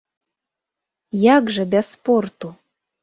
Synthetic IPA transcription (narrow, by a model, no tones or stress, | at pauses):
jaɡʐəbʲɛssport̪u